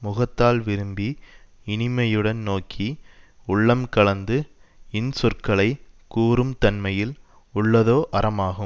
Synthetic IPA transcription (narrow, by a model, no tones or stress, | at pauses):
mʊɣɐt̪ːaːlʋɪɾɯmbi | ɪnɪmɐjɯɽɐnnoːkʰiʊɭːɐmkɐɭɐnd̪ɯɪnsʊrkɐɭɐɪkuːɾɯmt̪ɐnmɐjɪl | ʊɭːɐðoːʔɐɾɐmaːɣɯm